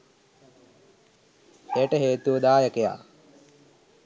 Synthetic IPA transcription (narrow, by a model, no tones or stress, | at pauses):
ejəʈəɦeːt̪uʋəd̪aːjəkeja̰ː